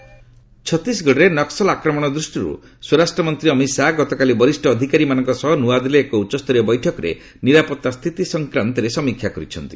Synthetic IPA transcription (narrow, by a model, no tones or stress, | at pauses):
t͡ʃʰɔt̪isɡɔɽɔɾenɔksɔlakɾɔmɔɽ̃ɔd̪ɾusʈiɾṵ | suɾasʈɾɔmɔnt̪ɾiɔmisaɡɔt̪ɔkalibɔɾisʈɔːd̪ʱikaɾimanɔŋkɔsɔɦɔnuwad̪ileːkɔut͡ʃːɔst̪ɔɾɔbɔjʈʰɔkɔɾḛ | niɾapɔt̪ːast̪ʰit̪isɔŋkɾant̪ɔɾesɔmikʰjakɔɾḭt͡ʃʰɔnt̪i